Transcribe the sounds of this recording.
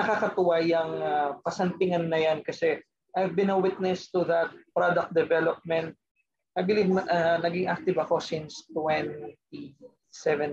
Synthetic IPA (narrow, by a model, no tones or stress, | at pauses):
ɐkakɐt̪ʊwajɐŋapɐsɐnt̪ɪŋɐnːɐjankɐsɛ | ʔajvbɪ̃nɐwɪt̪̚nɛst̪uðɐt̪̚pɹod̪ɐk̚t̚d̪ɛvɛlop̚mɛnt̪̚ | ʔajbɪlivʔɐnɐɡɪŋʔak̚t̪ɪvɐko̞sɪnst̪wɛnt̪̚i | sɛvɛ̃n